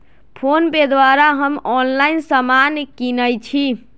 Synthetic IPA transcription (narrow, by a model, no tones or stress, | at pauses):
pʰonped̪waɾaɦəmɔnlainsamankinəjt͡ʃʰi